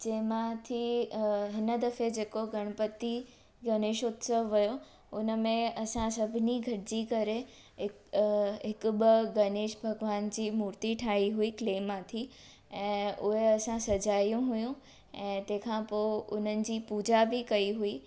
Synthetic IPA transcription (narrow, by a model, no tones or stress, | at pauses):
d͡ʑẽːɦmãt̪ʰiɦɪnəd̪ɐfed͡ʑeːkoɡɐɽ̃pət̪i | ɡɐneːʃʊt̪səʋːɐjo | ʊnəmẽɐsãsɐbʱɪniɡʱɐʈɪd͡ʑikɐɾe | ɦɪkɦɪkʊɓɪɡɐneːʃbʱɐɡʋaːnd͡ʑiːmuːɾt̪iʈʰaːɦiɦuikleːmːãt̪ʰi | ɛ̃ːʊɦeɐsãsɐd͡ʑaːijũɦʊjũ | ɛ̃ːt̪ɐ̃ɦɪ̃kʰãpoːʊn̤ənɪ̆d͡ʑiːpuːd͡ʑabɪkɐiɦui